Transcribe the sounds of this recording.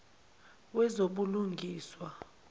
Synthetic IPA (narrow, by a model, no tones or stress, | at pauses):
wɛzoɓuluŋɡʱiːswa